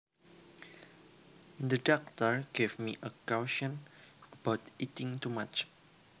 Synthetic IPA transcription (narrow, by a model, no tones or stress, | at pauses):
d̪ədɔk̚t̪əɹɡ̥evmiʔəkawʃɔ̃nəbawt̪itɪ̃ŋt̪umat͡ʃ